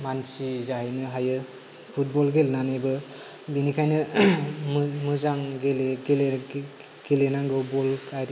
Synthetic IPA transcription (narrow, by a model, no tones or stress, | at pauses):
mansizahijnɯɦajɯ | pʰut̚bɔlɡelnanibɯ | binikʰajnɯ | mɯzaŋɡeleɡele | ɡ̥elenaŋɡɔbɔlkʰajɾ